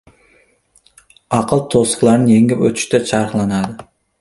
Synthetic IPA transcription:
ɑqʰɨlˠt̪ʰosqlˠɑɾnɪjeŋʲɪpɵ̰t̪ʰɪ̥ʃt̪ɛt͡ʃʰɑɾχlˠɑnɑd̪ɪ

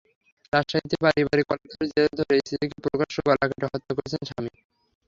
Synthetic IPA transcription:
t̪aʃait̪ebaɾiβaɾikɔlek̚d̪ʰʱoɾd͡ʑed̪ʱoɾeisid̪ekepɾokaʃːobalakaʈeɦɔt̪ːakoɾet͡ɕʰenʃʰami

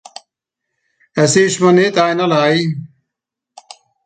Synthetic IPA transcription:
ɐseːɕmɐnet̪aːjnɐlaːi

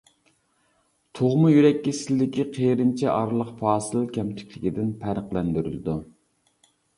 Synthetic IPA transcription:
t̪ʰoʁmujyɾɛkʲːisɪlːɪkʲʰiqʰejɾɪnt͡ʃʰɛʔɑɾlˠəqfɑːsɨlˠkʲʰɛmt͡ʃ̪ʰɪ̥kʲlɪkʲid̪ɪnpʰæɾəqlˠɛnd̪yɾy̰ld̪u

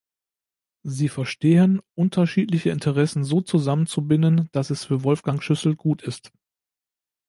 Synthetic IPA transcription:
ziːfɛɐʃteːənʔʊntʰɐʃiːtlɪçəɪntʰəʁɛsn̩zoːt͡suzamənt͡subɪnənd̥asɛsfyːɐvɔlfɡ̥aŋʃʏsl̩ɡ̥uːtʰɪst

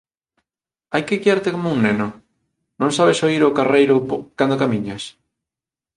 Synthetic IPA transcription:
ajkeɣiaɾt̪ekomouŋneno | nõŋsaβesoiɾokarejɾopkand̪okamĩɲas

